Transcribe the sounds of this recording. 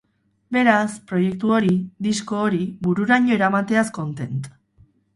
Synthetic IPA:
be̞ɾaspɾo̞je̞k̚t̪uo̞ɾiðisko̞ːɾibuɾuɾaɲo̞eɾamat̪e̞asko̞nt̪e̞nt̪

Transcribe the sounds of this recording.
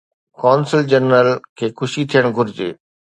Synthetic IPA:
kɔːnsɪld͡ʑənːəlkʰeːxʊʃit̪ʰijəɽ̃ɡʱʊɾɪd͡ʑḛː

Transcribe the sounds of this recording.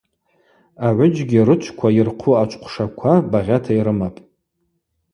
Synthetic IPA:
aʕʷʊd͡ʒɡʲiɾɨt͡ʃʷʰkʷʰairqʷʰuat͡ʃʷʰʼqʷʰʂakʷʰabaʁʲatʰaiɾɨmapʼ

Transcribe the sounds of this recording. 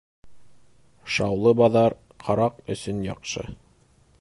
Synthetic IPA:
ʃɑwlˠɤbɑðɑɾ | qʰɑɾɑqɵ̆sɵnjɑqʃɤ̰

